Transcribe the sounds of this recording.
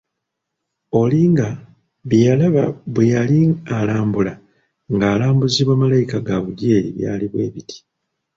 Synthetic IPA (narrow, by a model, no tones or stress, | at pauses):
o̞liŋɡa | βjijalaβa̰βwejalialaːmbula | ŋɡaːlaːmbuziβwamalajikaɡaβuɟeːɾḭβja̰ːliβwe̞ːβitʰi̥